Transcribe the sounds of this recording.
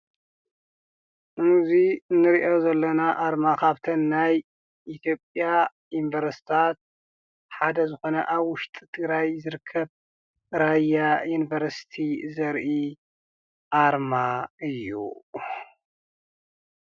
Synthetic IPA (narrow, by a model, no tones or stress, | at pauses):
mzinːɨɾiʔozɐlːɐnaʔaɾmakʰaβt̪ʰɐnːaj | ʔit̪ʰjo̞pʼja | inivɐɾsi̥t̪ʰat̪̚ | ħad̪ɐzɨxo̞nɐ̰ʔaβwʊʃt̪ʼi̥t̪ʰɨɡɾajzɨɾɨkʰːɐβ | ɨɾajajunivɐɾsi̥t̪ʰizɐɾʔi | ʔaɾmaɨjːṵ